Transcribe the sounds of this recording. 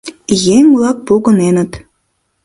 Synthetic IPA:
jemʲblɑk̚puɣə̆nenə̆t̪

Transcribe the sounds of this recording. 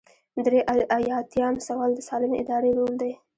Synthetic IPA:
d̪ɾeʔaʔajɑt̪jɑnsawɑld̪əsɑlɪmeɪd̪ɑɾelold̪aj

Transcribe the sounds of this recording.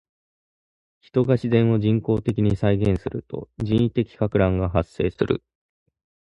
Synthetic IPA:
çi̥t̪o̞ɡaɕizẽ̞ɰ̃o̞d͡ʑĩŋko̞ːt̪e̞kʲiɲ̟isaiɡẽ̞ɰ̃sɨɾɯ̟t̪o̞̰d͡ʑĩɰ̃it̪e̞kʲi̥kakɯ̟ɾãŋɡaɦasːe̞ːsɨɾɯ̰

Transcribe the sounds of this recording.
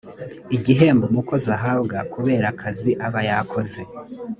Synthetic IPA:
iɟiɦe̞ːmbomuko̞zaɦabɡakuβe̞ːɾakʰaziʔaβajakʰo̞ze̞

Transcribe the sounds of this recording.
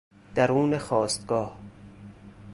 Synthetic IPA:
d̪̥æɾuːnexɒːst̪ɡ̥ɒːh

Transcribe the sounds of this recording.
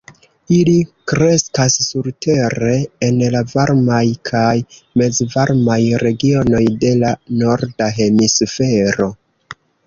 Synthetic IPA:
ilikɾe̞skasːuɾte̞ɾe̞ːnlavaɾmajkʰaj | me̞d͡zvaɾmajɾe̞ɡio̞no̞jde̞lano̞ɾdaɦe̞misfe̞ɾo̞

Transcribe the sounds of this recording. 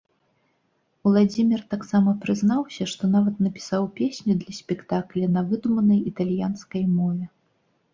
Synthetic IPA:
wlˠad͡zʲimʲirt̪aksamɐpɾɨznawsʲɐʂt̪ɔnavɐt̪nɐpʲi̥sawpʲesʲnʲid̪lʲɐsʲpʲɛkt̪aklʲɛnɐvɨd̪umɐnɐjit̪alʲjanskɐjmɔvʲɛ

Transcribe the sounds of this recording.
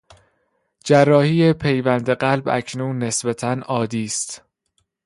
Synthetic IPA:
d͡ʒærːɒːhiːepʰe̞jvænd̪eɢælbæ̰cʰnuːnːe̞sbæt̪ʰænɒːd̪iːst̪

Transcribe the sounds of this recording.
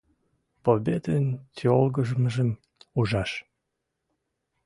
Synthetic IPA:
pobed̪ent̪ʲolɡəʒəməʒəm | uʒɑʃ

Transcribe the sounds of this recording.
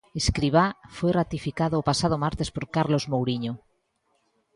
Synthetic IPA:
eskɾiβafojrat̪ifikaðoːpasað̞omaɾt̪espoɾkaɾlozmowɾiɲo

